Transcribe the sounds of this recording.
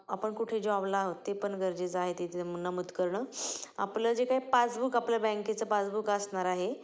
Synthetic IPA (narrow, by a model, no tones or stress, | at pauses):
apəɳkuʈʰed͡ʑɔblaɦot̪ːepəɳɡʱəɾd͡ʑet͡saɦet̪et̪emunːamut̪kəɾɳəːa̰pləd͡ʑekaipat͡sbukaplabɛ̃ŋket͡səpat͡sbukasɳaɾaɦe